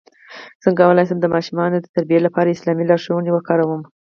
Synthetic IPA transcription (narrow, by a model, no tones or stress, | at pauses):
z̥əŋkawəlɑjs̬amd̪əmɑʃumɑnod̪ət̪aɾbijelapɑɾaɪslɑmilɑɾʃowənewəxkɑɾawəm